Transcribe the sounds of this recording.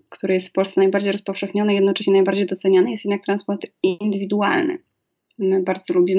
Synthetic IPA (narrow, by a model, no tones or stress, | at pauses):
kt̪uɾɘjɛst̪fpɔlssɛnajbaɾd͡ʑejɾɔspɔfʂɛxɲɔnɛijɛd̪nɔt͡ʂɛɕɲɛnajbaɾd͡ʑejd̪ɔt̪sɛɲanɘjɛst̪jɛd̪nak̚t̪ɾanspɔɾt̪ind̪ɘvʲid̪uwa̰lnɘ̰ | mɘbaɾd̪zɔlubʲim